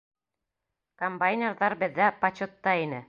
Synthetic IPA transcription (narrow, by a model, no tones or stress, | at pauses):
kombajnʲerðɑɾbɘ̆ðːæpɐt͡ɕot̪ːɑinɘ